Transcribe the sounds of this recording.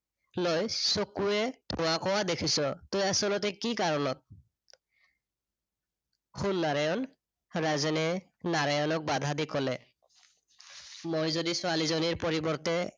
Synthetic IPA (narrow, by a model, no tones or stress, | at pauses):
lojsokuɛdʱʊwakɔwadekʰisɔtojasɔlɔt̬ɛkikaɹɔnɔt̚ | xunːaɹajɔn | ɹazɛnɛ | naɹajɔnɔk̚bad̪ʱadikɔlɛ | mojzodisʊalizoniɹpɔɹibɔɹtɛ